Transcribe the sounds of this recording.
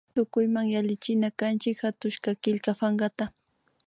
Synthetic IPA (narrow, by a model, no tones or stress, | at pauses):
t̪ʊkʊjmaŋjalɪt͡ʃɪnakant͡ʃɪkhat̪ʊʃkakɪʎkafaŋɢat̪a